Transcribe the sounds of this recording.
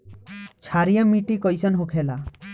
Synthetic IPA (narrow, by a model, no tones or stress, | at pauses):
t͡ʃʰaɾijamiʈikɔjsɔnɦokʰela